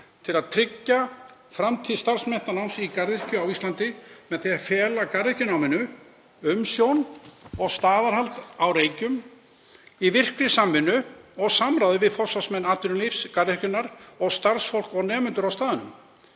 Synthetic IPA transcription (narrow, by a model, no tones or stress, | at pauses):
t̪ʰɪlaðt̪ʰɾɪcːa | fɾamt̪ʰiːðst̪aɾ̥smɛn̥t̪anawnsikarðɪr̥cʏawist̪lant̪ɪmɛðθeafɛːlakarɪhcɪnawmɪnːʏ | ʏmsjownɔɣst̪aːðaɾhalt̪awɾeːjcʏm | ivɪr̥kɾɪsamːɪnːʏɔɣsamɾawðʏvɪðfɔsasmɛnːaːt̪ʏɾʏmlifskarɪrkcʏnːaɾɔɣst̪aɾ̥sfowl̥kɔɣnɛːmʏnt̪ʏɾawst̪aːðɪnʏ̰m